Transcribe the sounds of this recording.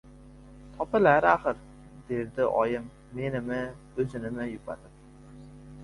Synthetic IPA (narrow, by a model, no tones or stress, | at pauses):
t̪ʰɑpɨlæɾæχəɾ | d̪eɾd̪ɪʔɒjɨmː | enɪmɪ | øzɪnɪmɪjupɑ̰t̪ʰɨp̚